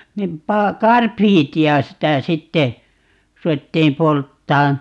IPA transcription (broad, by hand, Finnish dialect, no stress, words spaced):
nim pɑː kɑrpiːtiɑ sitæ sitːe ruetːiːm poltːɑːn